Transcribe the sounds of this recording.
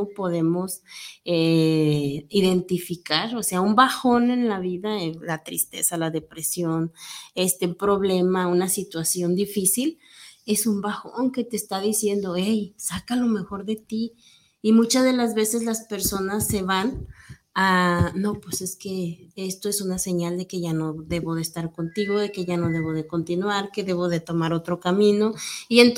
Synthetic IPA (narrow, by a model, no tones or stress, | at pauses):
po̞ðe̞mo̞se | iðe̞nt̪ifikaɾo̞se̞aumbaxo̞ne̞nlaβiðalat̪ɾḭst̪e̞̰salaðe̞pɾe̞sjo̞ne̞st̪epɾo̞βle̞maunasit̪wasjo̞nd̪ifisil | e̞sumbaxo̰ŋke̞t̪eːst̪aðisje̞nd̪o̞ejsakalo̞me̞xo̞ɾðe̞t̪iː | mut͡ʃazðe̞lazβe̞se̞zlaspe̞ɾso̞nasːe̞βan | ano̞pwese̞ske̞est̪o̞e̞sunase̞ɲald̪e̞ke̞ʝano̞ðe̞βo̞ðeːst̪aɾko̞nt̪iɣo̞ðe̞ke̞ʝano̞ðe̞β̞o̞ð̞e̞ko̞nt̪inwaɾke̞ðe̞βo̞ðe̞t̪o̞maɾo̞t̪ɾo̞kamĩno̞ient̪